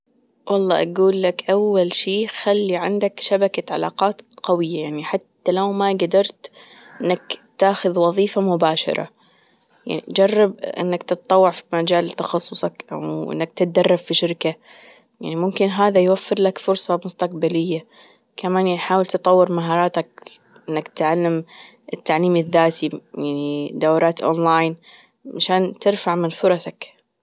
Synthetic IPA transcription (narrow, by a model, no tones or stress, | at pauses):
wʔɑlˤːɑ̰ːʔaɡuːlːakʔawːalʃiːxalːiʕɪnd̪akʃabakaʕa̰la̰ːqɑːt̪qawɪjːajaʕniħat̪ːalawmaɡad̪ɑɾˤt̪ | ʔɪnːakt̪aːxʊðwɑðˤiːfamʊbaːʃɑ̰ɾˤɑ̰ | ja̰ʕnḭd͡ʒɑrˤːɑbʔɪ̰nːakt̪ɨt̪t̪ˤːɑwːɪʕfi̥mad͡ʒaːlt̪ɑxɑsˤːʊsˤɑkʔa̰wʔɪ̰nːakt̪ɪt̪̚d̪ɑrˤːɑffiʃɪɾka | ja̰ʕnimʊmkɪnɦaːðajwafːɪɾlakfʊɾsˤɑmʊst̪aqbalɪjːa | kamaːnnħaːwɪlt̪ɨt̪ˤɑwːɪɾmaɦɑːɾˤɑːt̪ak̚ | ʔɪnːakt̪ʕalːam | ɪt̪ːaʕliːmɪðːaːt̪ijaʕnid̪awɾˤɑːt̪ʔo̰ːnlaːjn | ʕaʃaːnt̪ɪɾfaʕmɪnfʊɾˤɑsak